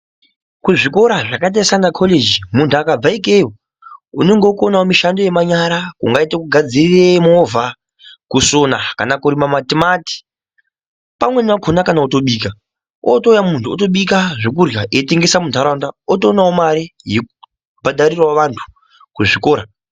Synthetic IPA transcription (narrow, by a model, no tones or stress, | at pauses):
kuʐiko̞ɾaʐakat̬arisanakʰoled͡ʒimuntʰuakab͡vaikejo | uno̞ŋɡekonaomiʃando̞je̞maɲaɾakṵŋɡaitekuɡʱad͡ziriremovʱa | kusonakanakuɾimamatimati̥ | pamwe̞nakʰonakanauto̞ɓiːka | ʔo̰tojamuntʰuoto̞ɓikaʐokurjaʔeteŋɡe̞samuntaɾandaotoːnaomaɾijeku | bʱadʱaɾirwaʋantʰu̥ | kuʐikoːɾa